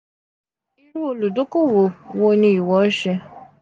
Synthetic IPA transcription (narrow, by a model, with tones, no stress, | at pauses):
i˦ɾu˦o˧lu˨do˦ko˦˨wo˨wo˧˦nĩ˧˦i˨wɔ˨˦ʃɛ˧